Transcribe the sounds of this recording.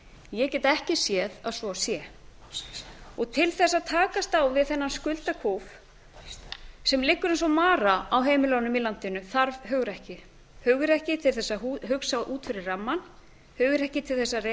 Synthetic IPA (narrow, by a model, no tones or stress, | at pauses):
jɛɣcɛːt̪aɛhcɪsjɛðaðsvɔsjɛː | ɔɣt̪ʰɪlθɛsːaðt̪ʰaːkast̪awvɪðθɛnːanskʏlt̪akʰoːwf | sɛmlɪkːʏɾɛnsvɔmaːɾaawɦeːjmɪlawnʏmilant̪ɪnʏθaɾvɦœɣɾɛhcɪ | hœɣʏɾɛhcɪt̪ʰɪlθɛsːauhʏksaʔuːt̪fɪɾɪrːamːan | hœɣʏɾɛhcɪt̪ʰɪlθɛsːare